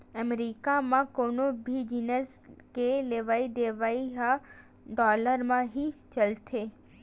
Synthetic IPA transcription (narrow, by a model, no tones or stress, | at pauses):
əmɾiːkamãkoːnobʱid͡ʒinəs | keleʋaːid̪eːʋaːiɦa | ɖɔːləɾmãɦit͡ʃɐlt̪ʰeː